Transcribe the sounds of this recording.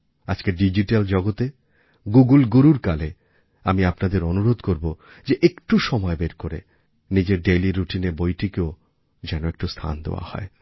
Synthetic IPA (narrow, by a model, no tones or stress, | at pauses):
ad͡ʑkeɖid͡ʑiʈald͡ʑɔɡot̪e | ɡuɡulɡuɾuɾkale | amiapnad̪eɾonuɾod̪koɾbo | d͡ʑeʔekʈuʃɔmɔebeɾkoɾḛ | nid͡ʑeɾɖeliɾuʈinebojʈikeo | d͡ʑɛnoek̚ʈust̪ʰa̰nd̪ḛwa̰hɔ̰e